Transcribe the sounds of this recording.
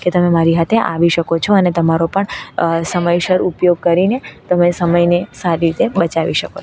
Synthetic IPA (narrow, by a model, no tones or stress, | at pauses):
ket̪əmemaɾiɦat̪ʰeʔa̰ʋiʃəkot͡ʃʰoənet̪əmaɾopəɳsəməjʃəɾupjoɡ̚kəɾinet̪əmesəməjnesaɾiɾit̪ebət͡ʃaʋiʃəkot͡ʃʰ